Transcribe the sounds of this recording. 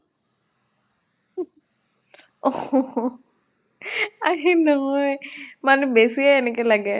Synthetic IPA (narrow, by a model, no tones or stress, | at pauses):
ɔ | aɦinɔɦɔjmanɛbesiaɛnɛkɛlaɡɛ